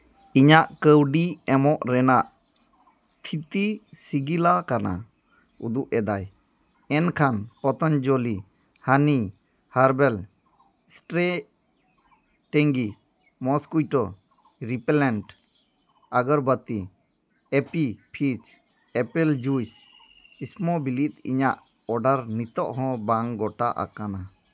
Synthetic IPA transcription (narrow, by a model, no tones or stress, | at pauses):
iɲaʔkəwɖiɛmɔʔɾɛnaʔ | t̪ʰit̪isiɡilakana̰ | ud̪uʔɛd̪aj | ɛnkʰanpɔt̪ɔnd͡ʒoli | hani | haɾbɛl | sʈɾe | ʈɛŋɡi | mɔskujʈɔ | ɾipɛlɛɳʈ | aɡɔɾbət̪i | ɛpipʰit͡ʃ | ɛpɛld͡ʒujs | ismɔbilit̪ḭɲaʔ | ɔɖaɾnit̪ɔʔɦɔ̃baŋɡɔʈaʔa̰kana